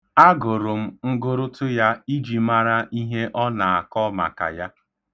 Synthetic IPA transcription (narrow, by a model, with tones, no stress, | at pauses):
a˦ɡʊ˨ɾʊ˨m̩˦ŋ̩˦ɡʊ˦ɾʊ˦tʊ˦ja˦i˦d͡ʒi˨ma˦ɾa˦ʔi˦ɦe˦ʔɔ˦na˨a˨kɔ˦ma̰˨ka̰˨ja˦